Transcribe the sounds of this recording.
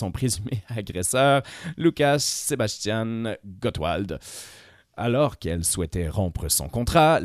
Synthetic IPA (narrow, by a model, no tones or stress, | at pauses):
ɔ̃pχezymeaɡʁɛsœʁlukaʃsebast̪janɡɔt̪wa̰ld̪ | a̰lɔʁkɛlswɛt̪ɛʁɔ̃pχəsɔ̰̃kɔ̃t̪χa